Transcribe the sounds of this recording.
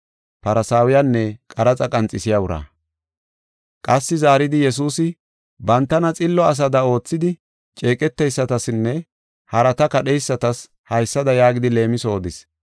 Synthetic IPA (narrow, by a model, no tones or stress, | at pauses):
pɐɾɐsaːwʊjanːɛkʼɐɾɐt͡sʼɐkʼɐnt͡sʼɪsɪjɐwʊɾɐ̰ː | kʼɐsːɪzaːɾɪd̪ɪjɛs̬uːsɪ | bɐnt̪ːɐnɐt͡sʼɪlːɔɐs̬ɐd̪ɐo̞ːt͡sːɪd̪ɪ | t͡ʃʼe̞ːkʼɛt̪ːɛjsːɐt̪ɐsɪnːɛ | hɐɾɐt̪ɐkɐɗɛjsːɐt̪ɐs | hɐjsːɐd̪ɐjaːɡɪd̪ɪle̞ːmɪso̞ːd̪ɪs